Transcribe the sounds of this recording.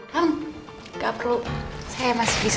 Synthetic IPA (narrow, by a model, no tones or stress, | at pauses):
an | kapərlusajamasi̥b̥is